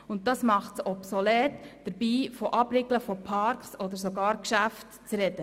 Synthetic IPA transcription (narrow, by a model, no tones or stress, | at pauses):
ʊnt̚dɑsmɑχtsɔpsɔlɛːtd̥əɾbiːfoʔɑbɾɪɡləfɔpʰɑɾksɔd̪əɾs̬oɡɑːɾkʃæftt͡sɾɛd̥ə